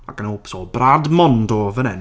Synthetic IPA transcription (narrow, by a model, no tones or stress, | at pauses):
a̰ɡənopsɔbradmɔndɔvənɛn